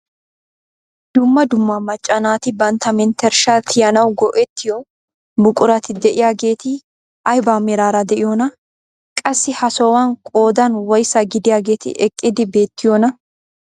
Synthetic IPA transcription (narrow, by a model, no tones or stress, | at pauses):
d̪̥ʊmːɐd̪ʊmːɐmɐt͡ʃʼːɐnaːt̪ɪbɐnt̪ɐmɪnt̪ɛɾʃaːt̪ʰɪjɐnɐwɡɔʔɛt̪ːɪjɔ | mʊkʼʊɾɐt̪ɪd̪ɛʔɪjaːɡe̞ːt̪ɪ | ʔɐjbaːmɛɾaːɾɐd̪ɛʔɪjoːnɐ | kʼɐsːɪhɐsɔwankʼo̞ːd̪ɐnwɔjsɐɡɪd̪ɪjaːɡe̞ːt̪ɪ̰ʔɛkʼːɪd̪ɪbe̞ːt̪ːɪjoːnɐ